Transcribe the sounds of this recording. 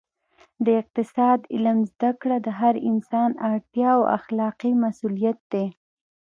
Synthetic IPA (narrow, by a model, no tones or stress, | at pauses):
d̪əɪq̚t̪ɪsɑd̪ɪlamzd̪akɽad̪əɦaɾɪnsɑnaɽt̪jɑwa̰xlɑqimasulijat̪̚d̪e